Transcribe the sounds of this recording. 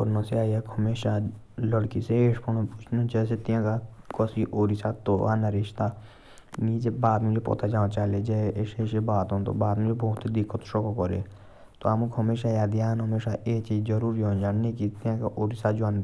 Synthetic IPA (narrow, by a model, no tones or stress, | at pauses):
kɔɾnõseaːakəmeːʃa | ləɽkiseeːʃpʰonõpʊt͡ʃʰnõd͡ʒɛːset̪ɪjãkakɔsiʔoːɾisat̪oːa̰ːnɐɾɪʃt̪a | niːd͡ʒebaːt̪mud͡ʒepɔ̰t̪ad͡ʒãːt͡ʃaːled͡ʒɛːeːʃeːʃebaːt̪õnt̪o̰baːt̪mud͡ʒebɔːʊt̪ːid̪ɪkːət̪ʃokokɔɾḛ | t̪oaːmukɦɐmeːʃajaːd̪ijaːnɦəmeːʃaʔeːt͡ʃiːd͡ʒd͡ʒəɾuːɾiɦõːnd͡ʒaːnnekit̪ɪjãkaʔoːɾisad͡ʒãn